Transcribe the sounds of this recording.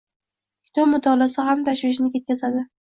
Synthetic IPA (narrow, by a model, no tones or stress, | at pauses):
kʲʰɪ̥t̪ʰɒbmʊd̪ʰɒlasɪhamt̪ʰaʃwɪʃ̬nɪkʲe̞t̪̚kʲazad̪ɪ